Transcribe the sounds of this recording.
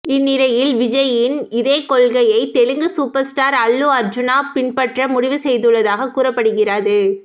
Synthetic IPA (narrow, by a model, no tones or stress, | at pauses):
ɪnːɪlɐjɪlʋɪd͡ʒɐjɪnɪðeːkɔɭɣɐjɐɪt̪ɛɻɯŋɡɯsuːpɐɾsʈaːɾɐɭːɯɐɾd͡ʒɯnaːpɪɳpɐʈrɐmʊɽɪʋɯsɛjðɯɭːɐðaːɣɐkuːrɐpːɐɽɯɣɪrɐðɯ